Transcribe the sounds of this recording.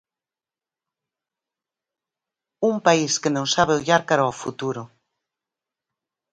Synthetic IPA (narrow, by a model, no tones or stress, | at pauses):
umpaiskenõŋsaβeoʎaɾkaɾaɔfṵt̪uɾʊ